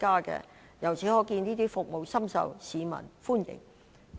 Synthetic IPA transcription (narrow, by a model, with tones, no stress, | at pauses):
kaː˥kɛ̰ː˧ | jɐ˨˩wt͡sʰiː˨˥ŋɔː˨˥kiː˧niː˥t̪iː˥fʊ˨k̚mo˨wsɐ˥msɐ̰˨˧wsiː˨˧mɐ̰˨˩nfuː˥njɪ̰˨˩ŋ